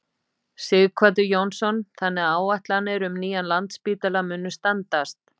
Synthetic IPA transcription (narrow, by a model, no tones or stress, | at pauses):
sɪɣkʰvat̪̬ʏjownsɔnθanːɪaːwaht̪lanɪɾʏmniːjanlant̪spiːt̪alamʏnːʏst̪ant̪ast̪